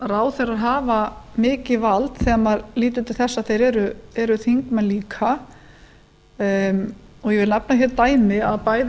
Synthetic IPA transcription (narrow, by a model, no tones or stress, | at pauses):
raːwθɛjɾaðɦaːvamɪːcɪvalt̪θɛmaɾliːt̪̬ʏt̪ɪlθɛsːaðθejɾɛɾʏɛɾʏθiŋkmɛnliːkʰa | ɔɣjɛvɪlnɛpnaçɛɾt̪aːjmɪaðpaːjð